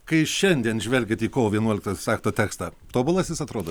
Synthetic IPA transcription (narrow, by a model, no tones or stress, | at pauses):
kɐɪʃʲɛnʲd̪ʲiɛnʒʲʋʲɛlʲɡʲet̪iːkoːʋoːʋʲiɛnuɔlʲɪkt̪osɑːkt̪oːt̪ʲæːkst̪ɐː | t̪oːbʊlˠɐsʲjɪsɐt̪ɾoːd̪o